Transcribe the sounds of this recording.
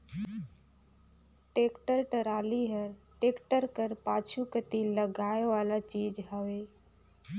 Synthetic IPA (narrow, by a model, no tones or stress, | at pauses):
ʈeːkʈəɾʈəɾaːliɦəɾʈeːkʈəɾkəɾpaːt͡ʃʰukət̪iləɡaːeʋaːlat͡ʃiːd͡ʒɦəʋeː